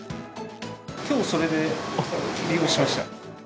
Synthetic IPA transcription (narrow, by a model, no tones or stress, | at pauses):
kʲo̞ːso̞ɾe̞d̪e̞ | ɾʲio̞ːɕimaɕi̥t̪a̰